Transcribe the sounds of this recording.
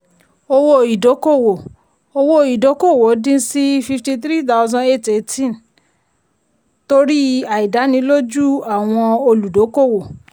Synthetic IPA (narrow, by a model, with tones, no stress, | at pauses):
o˧wo˦˧˨i˨do˨˦ko˦˨wo˨ | o˧wo˦˧i˨do˨˦ko˦˨wo˨˦dĩ˦si˦fi˧fti˧t̪ɾi˦˨ta˧˦˧zɔ̃˧e˦˨te˧˨tĩ˦˨n | to˧˦ɾi˦a˨i˨da˨˦nĩ˧˦lo˦d͡ʒu˦a˦˨w̃ɔ̃˧o˧lu˨do˨˦ko˦˨wo˨